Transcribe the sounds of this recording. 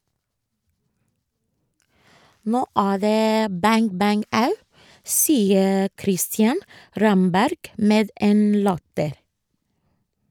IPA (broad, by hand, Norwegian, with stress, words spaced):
ˈnoː ˈæː ˈðeː ˈbæŋ ˈbæŋ ˈɑʉ ˈsiːə ˈkɾɪstjɑn ˈɾɑmbæɾɡ ˈmeːd ˈeːn ˈlɑtəɾ